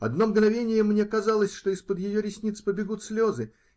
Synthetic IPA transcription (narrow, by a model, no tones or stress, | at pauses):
ɐd̪no̞mɡnɐvʲenʲɪjəmnʲe̞kɐzalˠəsʲʂt̪o̞ɪspəd̪jɪjoɾʲɪsʲnʲit̪spəbʲɪɡut̪sʲlʲo̞zɨ